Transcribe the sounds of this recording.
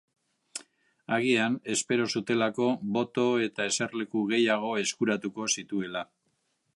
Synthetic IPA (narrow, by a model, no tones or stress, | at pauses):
aɣ̞iane̞spe̞ɾo̞sut̪e̞lako̞βo̞t̪o̞e̞t̪ae̞se̞ɾle̞kuɣe̞jaɣ̞o̞e̞skuɾat̪uko̞sit̪ue̞la